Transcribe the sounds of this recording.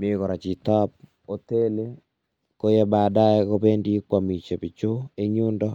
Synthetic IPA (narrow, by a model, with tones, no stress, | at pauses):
mi˦kɔ˨ɾa˨t͡ʃi˨tɔ˦p̚ | o˨te˦le˦ | ko˦jɛ˦ba˨da˦e˦ko˦pe˦ndi˦kwa˨mi˨t͡ʃe˨pɪ˨t͡ʃo˦e˦ɲu˦ndɔ˦